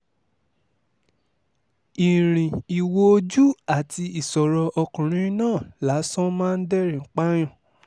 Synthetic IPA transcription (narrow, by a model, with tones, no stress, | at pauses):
i˨ɾ̃ĩ˨i˨wo˧o˧˦d͡ʒu˦a˦˨ti˧i˨sɔ˨ɾɔ˧ʔɔ˧kũ˨ɾ̃ĩ˦nãː˦˨la˨˦sɔ̃˦mãː˦˧n̩˦dɛ˦ɾĩ˨˦k͡pa˦j̃ɔ̃˦˨